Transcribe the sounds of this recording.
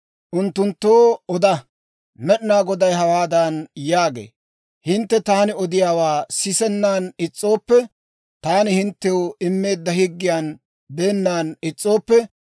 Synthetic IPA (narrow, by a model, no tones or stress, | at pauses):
ʔʊnt̪ːʊnt̪ːoːɔd̪ɐ | mɛɗɪnaːɡɔd̪ɐjɦɐwaːd̪ɐnjaːɡḛː | hɪnt̪ːɛt̪aːnɪɔd̪ɪjaːwaːsɪsɛnːaːnɪt͡sʼːo̞ːpːɛ | t̪aːnɪhɪnt̪ːɛʊɪmːe̞ːd̪ːɐhɪɡːɪjaːn | be̞ːnːaːnɪt͡sʼːo̞ːpːɛ